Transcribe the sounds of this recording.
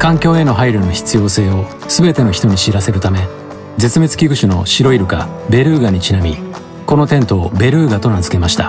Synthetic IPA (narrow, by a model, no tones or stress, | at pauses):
kãŋkʲo̞ːe̞no̞ɦaiɾɯ̟no̞çi̥t͡sɨjo̞ːse̞ːo̞ | sɨbe̞t̪e̞no̞çi̥t̪o̞ɲ̟iɕiɾase̞ɾɯ̟t̪ame̞ | d͡ze̞t͡sɨme̞t͡sɨ̥kʲiɡɯ̟ɕino̞ɕiɾo̞iɾɯ̟kabe̞ɾɯ̟ːɡaɲ̟it͡ɕinamʲi | ko̞no̞t̪ẽ̞nt̪o̞ːbe̞ɾɯ̟ːɡat̪o̞nazɨ̥ke̞maɕi̥t̪a